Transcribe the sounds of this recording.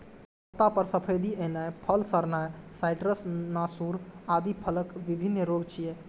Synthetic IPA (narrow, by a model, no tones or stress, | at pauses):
ət̪apəɾsəpʰəjd̪ienajpʰəlsəɾnajsajʈɾəsnasuɾad̪ipʰələkbibʱinːɾoɡt͡ʃʰije